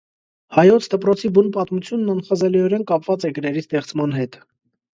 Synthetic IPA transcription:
hɑjɔt͡sʰd̪əpɾɔt͡sʰibunpɑt̪mut͡sʰjunːɑnχɑzɛliɔɾɛnkɑpvɑt͡sɛɡəɾɛɾist̪ɛχt͡smɑnɦɛt̪

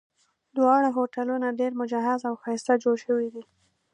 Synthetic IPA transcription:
d̪wɑɽaɦoʈalunaɖeɾmʊd͡ʒaɦazawxɑjɪst̪ad͡ʒoɽʃəwid̪i

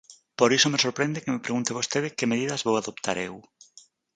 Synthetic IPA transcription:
poɾisomesoɾpɾẽnd̪ekemepɾeɣũnt̪eβ̞ost̪eðɪkemeðiðɐzβowaðopt̪ʰaɾew

